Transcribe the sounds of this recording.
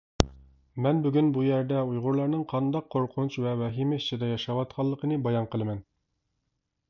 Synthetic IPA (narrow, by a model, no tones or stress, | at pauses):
mɛnbyɡʲynbujæɾd̪ɛujʁʊɾlˠɑɾnɨŋqʰɑnd̪ɑqʰːoɾqʰʊnt͡ʃvɛwɛɦimɪiʃt͡ʃʰːid̪ɛjɑʃɑwɑt̪̚qʰɑlˠːəqʰənɨbɑjɑɴqʰəlˠɨmɛn